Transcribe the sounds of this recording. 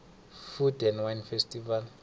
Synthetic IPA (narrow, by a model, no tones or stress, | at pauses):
fudɛnwanfɛstival